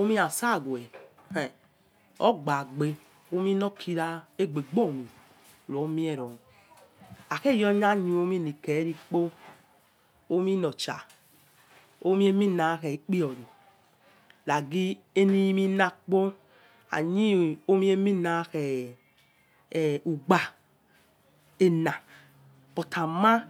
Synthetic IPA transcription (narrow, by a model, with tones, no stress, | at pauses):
o˦mi˦a˨sa˦˨ɡwɛ˨ | hɛ˨ | ɔ̰˦ɡ͡ba˨ɡ͡be˨ | o˦mi˦nɔ˦kʰi˦ɾa˦e˦ɡ͡be˨ɡ͡bo˦˨mi˨ | ɾo˨˦mi˦e˦˨ɾɔ˨ | a˨ke˦˨jɔ˦ɲa˦ɲi˨o˦mi˦ni˨ke˨˦ɾi˦k͡po˦ | o˦mi˦nɔ˨t͡ʃa̰˨ | o˦mi˦e˦mi˦na˨˦xɛ˨i˦k͡pi˦ɔ˨ɾo˨ | la˨ɡi˦e˦ni˦mi˦na˧k͡po˦ | a̰˨ɲi˦o˦mi˦e˦mi˦na˨˦xɛ˨ | u˨ɡ͡ba˨ | e˨na˨ | pɔ˨tʰa˨ma˦